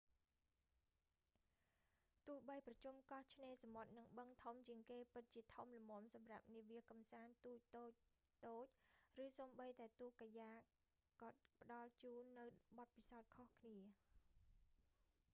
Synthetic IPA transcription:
t̪ŭːh̚ɓəjprɑt͡ɕumkɑht͡ɕʰneːsamot̪̚nɨŋɓəŋt̪ʰumt͡ɕiəŋkeːpɨt̪̚t͡ɕiət̪ʰumlɔmŏəmsɑmra̰p̚niəʋiəkɑmsaːnt̪uːc̚t̪oːc̚ | t̪oːc̚rɨːsoːmɓəjt̪aɛt̪uːkajaː | kɑ̆ət̪̚pə̆ɗɑlt͡ɕuːnːɨwɓɑt̪̚pisaɔt̪̚kʰohkʰniə

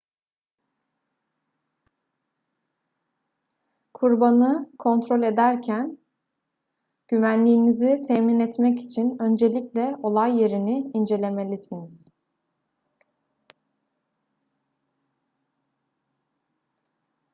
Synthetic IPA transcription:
kʰuɾbanɯkʰo̞nt̪ɾo̞lʲe̞d̪æɾcʰæn | ɟ̥yvænlʲiːnizit̪ʰɛminɛt̪mɛci̥t͡ʃʰinø̞nd͡ʒe̞lʲiclʲɛo̞lˠajːe̞ɾiniind͡ʒe̞lʲe̞me̞lʲisiniz̥

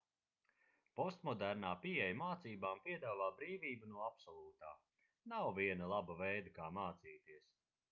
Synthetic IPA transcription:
pɔst̪mɔd̪æɾnaːpiɛjamaːt̪siːbaːmpiɛd̪aːvaːbɾiːviːbunuɔapsɔlˠuːt̪aː | nawviɛnalˠabavɛjd̪akaːmaːt̪siːt̪iɛs

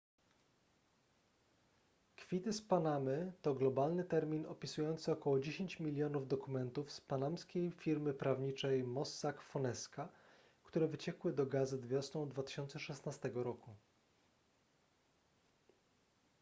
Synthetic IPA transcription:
kfʲit̪ɘspanamɘt̪ɔɡlɔbalnɘt̪ɛɾmʲinɔpʲisujɔnt̪sɘɔkɔwɔd͡ʑeɕeɲt͡ɕmʲilʲːjɔnuvd̪ɔkumɛnt̪ufspanamskʲejfʲiɾmɘpɾavɲit͡ʂɛjmɔsːakfɔnɛska | kt̪uɾɛvɘt͡ɕɛkwɘd̪ɔɡazɘd̪vʲjɔsnɔ̃w̃d̪vat̪ɘ̥ɕɔnt̪sɛʂɛsnast̪ɛɡɔɾɔku

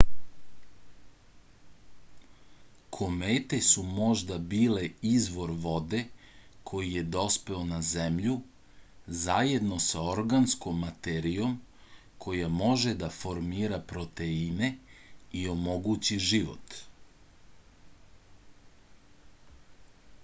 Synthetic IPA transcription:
kʰo̞meːt̪e̞sumo̞ʒd̪abiːle̞izʋo̞ɾʋo̞d̪e̞kʰo̞jije̞d̪o̞spe̞onazemʎu | zajed̪no̞sao̞ɾɡansko̞mːat̪eɾijo̞m | kʰo̞jamo̞ʒe̞d̪afo̞ɾmiːɾapɾo̞t̪eine̞io̞mo̞ɡut͡ɕiʒiʋo̰t̪

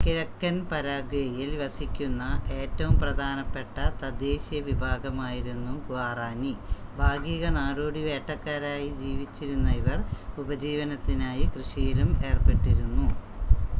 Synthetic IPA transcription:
kiɻɐkːɐnpɐɾaːɡɐjɐjilʋɐsikʲːunːɐʔe̞ːtːɐʋumprɐd̪ʱaːnɐpːe̞ʈːɐt̪ɐd̪eːɕijɐʋibʱaːɡɐmaːjiɾunːuɡʋaːraːnibʱaːɡiɣɐnaːɾoːɽiʋe̞ːʈːɐkːaːɾaːjid͡ʑiːʋit͡ɕːiɾunːɐiʋɐrubɐd͡ʑiːʋɐnɐt̪ːinaːjikrɨʂijilume̞ːrpe̞ʈːiɾunːu

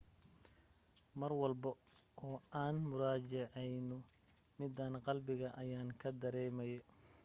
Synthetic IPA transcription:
mɐrwɑlbɐʔɔːaːnmʊɾaːt͡ʃɛʕɛjnʊ | mɪd̪aːnqɑlbɪɣɐʔɐjaːŋkʰɐd̪ɐɾɛːmɐjɛ

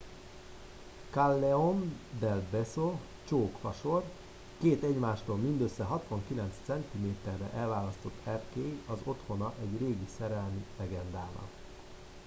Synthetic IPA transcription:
kalːɛond̪ɛlbɛso | t͡ʃoːkfɒʃo̞r | keːt̪ɛɟmaːʃt̪oːlmind̪øsːɛɦɒt̪ʋɒŋkilɛnt̪st̪sɛnt̪imeːt̪ɛrːɛ̰ʔɛlvaːlɒst̪o̞t̪ʰːɛrkeːɡɒzo̞t̪ho̞nɒʔɛɟreːɡisɛɾɛlmilɛɡɛnd̪aːnɒ̰

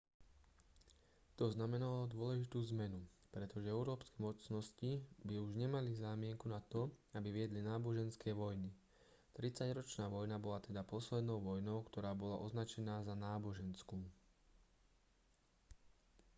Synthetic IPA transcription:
t̪ɔznamɛnalɔd̪ʊɔlɛʒit̪uːzmɛnupɾɛt̪ɔʒɛɛʊɾɔːpskɛːmɔt͡snɔscibiuʒɲɛmalizaːmɪɛŋkunat̪ɔabiʋɪɛd̪linaːbɔʒɛnskɛːʋɔjni | t̪ɾit͡saɟɾɔt͡ʃnaːʋɔjnabɔlat̪ɛd̪apɔslɛd̪nɔʊʋɔjnɔʊkt̪ɔɾaːbɔlaʔɔznat͡ʃɛnaːzanaːbɔʒɛnskuː

